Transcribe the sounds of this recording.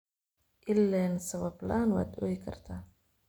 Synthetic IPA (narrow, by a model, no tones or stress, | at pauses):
ʔɪlːɛːnsɐβɐblanwa̰ːd̪ʔɔːjɪkʰɐ̰rt̪ʰaː